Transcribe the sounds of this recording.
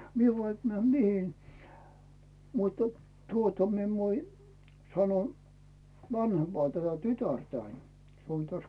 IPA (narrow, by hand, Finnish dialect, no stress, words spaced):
mie ʋɑik mĕæˑm mihi mutːɑ̥ tuotɑ mi en ʋoi sɑno ʋɑnhempɑː tætæ tytærtæin se on tæs